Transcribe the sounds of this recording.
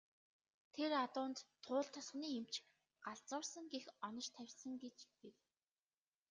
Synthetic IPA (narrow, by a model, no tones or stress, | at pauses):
t̪ʰeɾat̪ʊːnt̪ʰːʊːɮt̪ʰɔsχniːem̥t͡ɕ | ɢ̥aɮt͡sʊːrsə̆ŋɡexɔnɞ̆t͡ɕt̪ʰæwʲsə̆ŋɡet͡ɕpew